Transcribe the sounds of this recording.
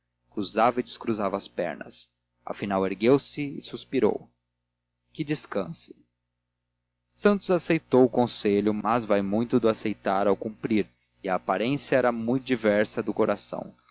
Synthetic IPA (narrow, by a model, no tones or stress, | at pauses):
kɾuzavɐɪd͡ʒɪskɾuzavɐːspɛ̰ɾnɐ̰s | ɐ̰finaweɾɡewsɪɪsuspiɾo̰w | kɪd͡ʒɪskɐ̃sɪ̥ | sɐ̃nt̪ʊzasejt̪owʊkõseʎʊmɐzvajmũj̃t̪ʊd̪ʊasejt̪aɾawkũpɾiɾ | ɪɐːpaɾẽsjɐɛɾɐmũj̃t̪ʊd͡ʒivɛɾsɐd̪ʊkoɾasɐ̰̃w̃